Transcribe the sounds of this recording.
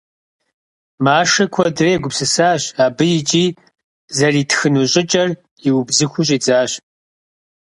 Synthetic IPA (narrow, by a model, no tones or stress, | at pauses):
maːʂɐkʷʰɔdreːɡʷʊpsɨsaːɕaːbɨjɪt͡ʃʼiː | zɐriːtʰxɨnuɕʼɪt͡ʃʼɐr | iwʊbzɨxʷʊɕʼiːt͡sʼaːɕ